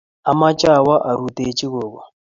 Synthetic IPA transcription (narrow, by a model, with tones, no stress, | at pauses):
a˨ma˦t͡ʃʼa˦˨wa˦ʔa˨ɾu˨tʼe˨˦t͡ʃʼi˦ɣoː˨ɣɔ˨